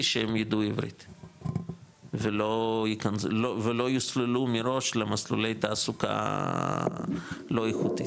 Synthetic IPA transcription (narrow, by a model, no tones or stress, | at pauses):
ʃehemjid̪uivɾḭt̪ | velojikanzlovelo̞juslelumiɾo̞ʃlemaslṵle̞jt̪aːsuka̰ | lo̞ixut̪i